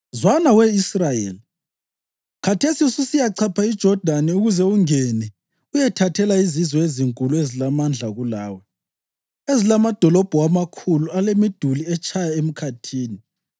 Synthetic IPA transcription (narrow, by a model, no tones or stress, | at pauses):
zwanawɛisrajḛli | kʰatʰesisusijaǀʰapʰaid̥ʒ̥ʱɔd̥ʱanɛuɣuzɛuŋɛnɛ | ujɛtʰatʰɛlaizizwɔeziŋkʼuluezilamand͡ɮʱaɣulaːwɛ | ezilamad̥ʱɔlɔb̥ʱɔamakʰulualemid̥ʱuliɛt͡ʃʰʼajaem̩kʰatʰiːni